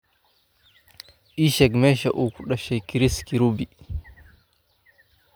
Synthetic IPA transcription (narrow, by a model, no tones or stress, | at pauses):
ʔiʃɛkmɛʃaʔukuɗaʃɛjkiɾiskiɾubi